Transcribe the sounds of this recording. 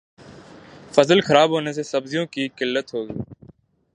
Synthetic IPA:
fəzəlxəɾaːbɦoːneːs̬eːsəbzɪjõːkiːkɪlːət̪ɦoːɡiː

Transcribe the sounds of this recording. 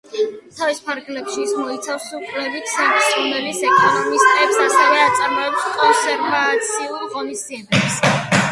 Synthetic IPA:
t̪ʰavispʰaɾɡlɛpʃiːsmɔit̪sʰafsukʼlɛbikʰsɛniʃʰʼumɛlisɛkʼɔnɔmist̪ʼɛpsasɛvɛat̪sʼaɾmɔɛbskʼɔnsɛɾvat̪sʰiulʁɔnist̪iɛd̪ɛps

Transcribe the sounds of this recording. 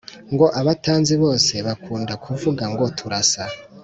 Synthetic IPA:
ŋɡo̞ʔaβataːnziβo̞ːse̞βakʰuːndakʰuvuɡaŋɡo̞tʰuɾasa

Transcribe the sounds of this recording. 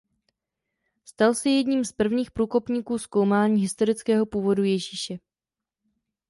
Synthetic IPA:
st̪alsɛjɛdɲiːmspr̩vɲiːxpɾuːko̞pɲiːkuːsko̞wmaːɲiːɦɪst̪o̞ɾɪt͡skɛːɦo̞puːvo̞dujɛʒiːʃɛ

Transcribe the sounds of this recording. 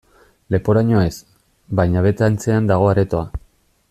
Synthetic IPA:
le̞po̞ɾaɲo̞e̞s | bajɲaβe̞t̪ant͡se̞and̪aɣ̞o̞aɾe̞t̪o̞a

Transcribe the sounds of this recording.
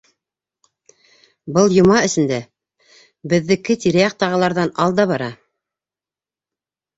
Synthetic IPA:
bɤlˠjŏmɑɵ̆sɘ̆nd̪æ | bɘ̆ðːɘ̆kɘt̪iɾæjɑqt̪ɑʁɑlˠɑɾðɑnɑlˠd̪ɑβɑɾɑ

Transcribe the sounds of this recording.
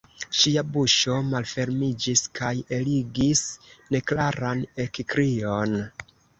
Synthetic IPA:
ʃiabuʃo̞malfe̞ɾmid͡ʒiskaje̞liɡisne̞klaɾane̞kikɾion

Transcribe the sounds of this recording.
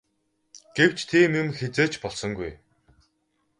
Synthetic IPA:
ɡ̥ew̥t͡ɕt̪ʰeːmimxet͡seːt͡ɕpɔɮsɞ̆ŋɡuj

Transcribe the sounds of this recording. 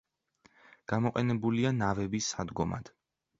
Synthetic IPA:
ɡ̥amɔqʼɛnɛbulianavɛbisːad̪ɡɔma̰d̪̥

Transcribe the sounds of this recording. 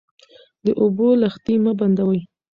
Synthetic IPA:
d̪əʔobolaxt̪imaband̪awəj

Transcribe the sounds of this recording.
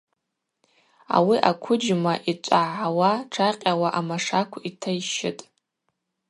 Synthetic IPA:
a̰wiʔakʷʰʊd͡ʒmaʔit͡ʃʷʼaʕawaʈ͡ʂʰaqʲʼawaʔamaʂakʷʰitʰajʃɪtʼ

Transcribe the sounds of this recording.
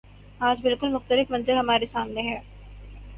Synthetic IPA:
aːd͡ʒbɪlkʊlmʊxt̪əlɪfmɐ̃nzəɾɦɐmaːɾesaːmneɦɛː

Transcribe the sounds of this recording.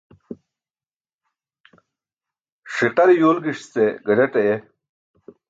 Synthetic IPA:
ʂiqɐɾijoːlɡiʂst͡seɡɐɖeʈɐe

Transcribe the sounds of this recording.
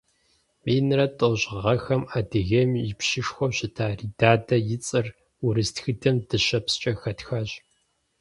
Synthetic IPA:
miːnɨrɐtʼoʑʁɐxɐmaːdɨɣɐmjɪpʃɪʂxʷɔɕɪtʰaːriːdaːdɐjɪt͡sʼɨr | ʊɾɨstxɨdɐmdɨɕɐpst͡ʃʼɐxɐtxaːɕ

